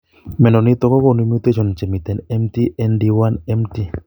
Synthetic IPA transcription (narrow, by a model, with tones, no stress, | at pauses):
mɛ˨nɔ˨ni˦t̪ɔ˨˦kɔ˦ko˨nu˦mo˦t̪e˦ʃɔ˨nt͡ʃɛ˨mi˨t̪ɛ˨nɛ˦mti˦ʔɛ˦ndi˦wa˦nɛ˦mti˦